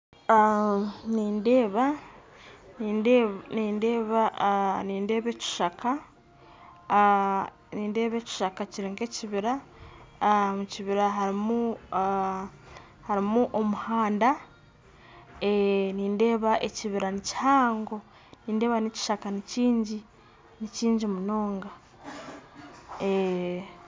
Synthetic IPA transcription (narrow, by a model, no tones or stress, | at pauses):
aniːnde̞ːβa | niniːndeːβaniːnde̞ːβe̞ːci̥ʃakʰa | niːnde̞ːβe̞ːci̥ʃakaciɾiːŋɡe̞ciβiɾa | muciβiɾaɦaɾimu | haɾimuʔomuhaːnda | eniːnde̞ːβaʔe̞ciβiɾanici̥haːŋɡo̞ | niːnde̞ːβanici̥ʃakaniciːɲɟi | niciːɲɟimuno̞ːŋɡa | e